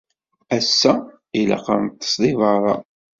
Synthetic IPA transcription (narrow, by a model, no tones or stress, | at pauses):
æsːæ | ilɑ̰qəɾnt̪ːə̥sðˤivɑɾˤɑ̰